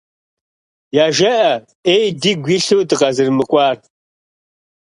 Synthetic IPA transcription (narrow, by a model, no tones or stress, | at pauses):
jaːʒɐʔɐ | ejdiːɡʷiɬɨwdɨʁɐzɨrmɨkʷʼɑːr